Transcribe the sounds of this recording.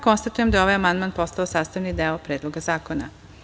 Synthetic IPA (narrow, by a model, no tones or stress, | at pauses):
ko̞nst̪at̪uje̞md̪ajo̞ʋajamand̪maːnpo̞st̪aosaːst̪aʋnid̪eopɾeːd̪lo̞ɡazaːkona̰